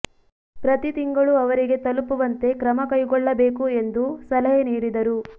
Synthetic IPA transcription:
pɾɐt̪it̪iŋɡɐɭuɐʋɐɾiɡe̞t̪ɐlupuʋɐnt̪e̞kɾɐmɐkɐjɡɔɭːɐbe̞ːkue̞nd̪usɐlɐɦeniːɽid̪ɐɾu

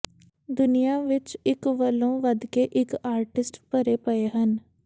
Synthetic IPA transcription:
d̪ʊnijaːʋɪt͡ʃɪkʋəlõːʋəd̪keʔɪkaːɾʈɪsʈpəɾeːpəeɦən

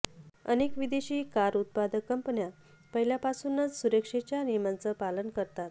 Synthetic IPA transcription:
ə̰nekʋid̪eɕiːkaɾut̪̚pad̪əkːəmpənja | pəɦiljapasunːət͡ssuɾəkʂet͡ɕjaniɾmant͡səpalənkəɾt̪at̪

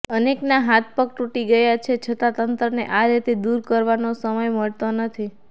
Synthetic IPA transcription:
əneknaɦat̪̚ʰpək̚ʈuʈiɡəjat͡ʃʰet͡ʃʰət̪at̪ənt̪ɾənḛʔaɾit̪ed̪uɾkəɾʋanosəməjməɭt̪onət̪ʰi

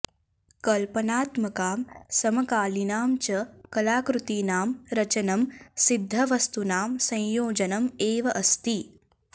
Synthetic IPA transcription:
kɐlpɐnaːt̪mɐkaːmsɐmɐkaːlinaːmt͡ʃɐkɐlaːkɾut̪iːnaːmɾɐt͡ʃɐnɐmsid̪ʱːɐʋɐst̪unaːmsɐ̃jjoːd͡ʒɐnɐmeːʋɐʔɐst̪i

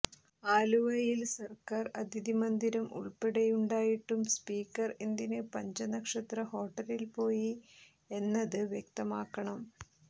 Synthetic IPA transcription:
aːluʋɐjilsɐrkaːrɐd̪ʱiðimɐnd̪iɾɐmʔṵɭpeɽɐjuɳɖaːjiʈːumspiːkːɐrend̪inɨpɐɲd͡ʑɐnɐkʂɐt̪rɐho̞ːʈːɐlilpo̞ːji | e̞nːɐðɨʋjek̚t̪ɐmaːkːɐɳɐm

